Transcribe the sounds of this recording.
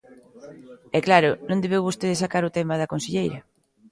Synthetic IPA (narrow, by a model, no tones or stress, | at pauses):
ɛklaɾʊnõnd̪eβewβost̪eðɪsakaɾʊt̪ɛmaðɐkonseʎejɾɐ